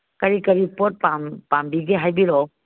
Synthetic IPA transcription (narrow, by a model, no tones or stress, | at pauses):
kaɾikəɾipɔt̚pampambiɡeɦajbiɾɔ